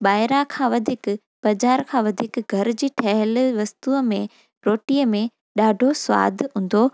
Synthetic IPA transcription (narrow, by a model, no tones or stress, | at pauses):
ɓaːɪɾãkʰãːʋɐd̪ʱiːk | b̥ɐd͡ʑaːɾkʰãːʋɐd̪ʱiːkɡʱɐɾd͡ʑiːʈʰɐɦɪlʋɐst̪uəmẽ | ɾoːʈiːəmẽ | ɗaːɖʱosʋa̰ːd̪ʱɦũːn̆d̪oː